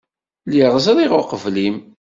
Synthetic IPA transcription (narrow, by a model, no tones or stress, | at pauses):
liʁzɾˤiʁoqəvlim